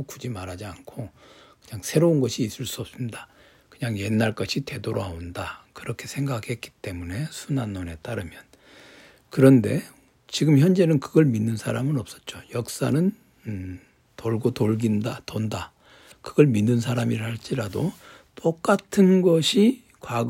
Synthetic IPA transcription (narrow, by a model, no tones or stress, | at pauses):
okud͡ʑimaɾad͡ʑiankʰokɯɲaŋsʰe̞ɾounɡʌɕʰiːs͈ɯɭs͈uʌp̚s͈ɯmida | kɯɲaŋje̞nːaɭk͈ʌɕʰite̞doɾoɦaondakɯɾʌkʰe̞sʰe̞ŋɡakhe̞t̚k͈i̥t͈e̞mune̞sʰunanːone̞t͈aɾɯmjʌn | kɯɾʌnde̞ | t͡ɕiɡɯmçjʌnd͡ʑe̞nɯnkɯɡʌɭminːɯnsʰaɾamɯnʌp̚s͈ʌ̥t̚t͡ɕ͈ojʌk̚s͈a̰nɯn | toɭɡotoɭɡindatonda | kɯɡʌɭminːɯns̬ʰaɾamiɾhaɭt͡ɕ͈iɾado | t͈ok͈atʰɯnɡʌɕʰi | kwa